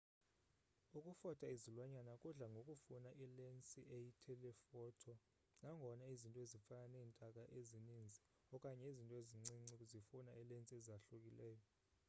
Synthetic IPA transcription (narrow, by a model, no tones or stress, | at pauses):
ukʼufɔtʰʼaizilwaɲanakʼuɮaŋɡʱokʼufunaʔilɛnt͡sʼiʔejitʰɛlɛfɔtʰɔ | naŋɡʱɔnaizintʼɔezifananɛːntʼakʼaʔezinind͡zʱi | ɔkʼaɲeizintʼɔeziŋ͡ǀiŋ͡ǀikʼuzifunailent͡sʼiɛzaɬukʼilɛːjɔ